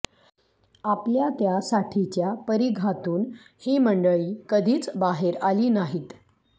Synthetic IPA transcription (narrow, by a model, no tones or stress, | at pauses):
apljat̪jasaʈʰit͡ɕjapəɾiɡʱat̪uːn | hiːməɳɖəɭiːkəd̪ʱiːt͡sbaɦeɾaliːnaɦiːt̪